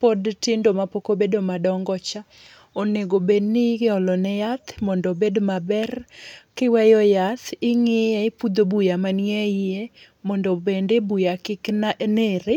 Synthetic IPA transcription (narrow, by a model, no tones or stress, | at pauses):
podtɪndomapokobedomadɔŋɡɔt͡ʃa | oneɡobednɪɡɪɔlɔnɛjat̪mɔndobedmabɛrkɪwɛjɔjat̪ɪŋɪjɛɪpud̪obujamanɪɛie | mɔndɔbendebujakɪknneɾɪ